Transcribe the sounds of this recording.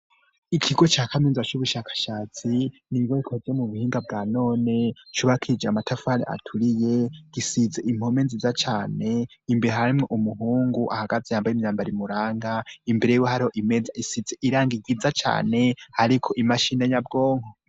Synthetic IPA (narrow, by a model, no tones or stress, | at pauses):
ikʰiɡo̞t͡ʃaːkʰamiːnzat͡ʃuβuʃakḁʃaːt͡si | niɡoikʰozemuβuhiːŋɡabɡaːno̞ːne̞t͡ʃuβakʰid͡ʒeamatʰafania̰tʰuɾije̞ɡ̥isizeʔim̥homenzizat͡ʃaːne̞imbeɾeɦaɾimŋeʔumuɦuːŋɡuʔa̰haɡazejaːmbajimɲaːmbaɾimuɾaːŋɡaimbeɾe̞jiwehaɾiho̞ʔimezaisizeʔiɾaːŋɡiɡizat͡ʃa̰ːne̞haɾikʰo̞ʔimaʃiːnaɲab̚ɡo̞ːŋho